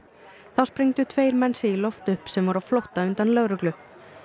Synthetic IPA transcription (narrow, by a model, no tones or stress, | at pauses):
θawspɾiŋt̪ʏt̪ʰveːjɾmɛnsɪilɔft̪ʏhpsɛmvaɾawflɔwht̪aʏnt̪anlœɣɾʏklʏ